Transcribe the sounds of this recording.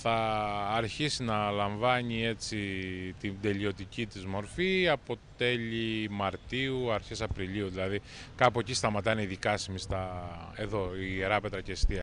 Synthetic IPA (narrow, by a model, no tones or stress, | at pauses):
θɐːɾçisinɐlɐɱvɐɲie̞t͡sit̪id̪e̞ʎio̞t̪icit̪izmo̞ɾfiɐpo̞t̪e̞ʎimɐɾt̪iuɐɾçesɐpɾiʎiuðilɐði | kɐpocist̪ɐmɐt̪ɐineiðikɐsimist̪ɐe̞ðo̞ieɾɐpet̪ɾɐceːst̪iɐ